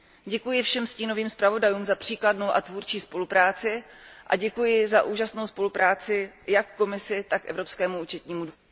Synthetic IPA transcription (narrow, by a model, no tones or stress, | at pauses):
ɟɛkujɪfʃɛmsciːno̞viːmspɾavo̞dajuːmzapr̝̥iːkladnowʔa̰t̪vuɾt͡ʃiːspo̞lupɾaːt͡sɪʔa̰ɟɛkujɪzaʔuːʒasno̞wspo̞lupɾaːt͡sɪjakːo̞mɪsɪt̪akʔɛvɾo̞pskɛːmuuːt͡ʃɛt̪ɲiːmud